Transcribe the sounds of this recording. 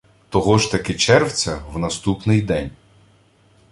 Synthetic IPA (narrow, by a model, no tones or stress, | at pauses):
t̪ɔɦɔʒt̪ɐkɪt͡ʃɛrwt͡sʲɐwnɐst̪upnɪjd̪ɛnʲ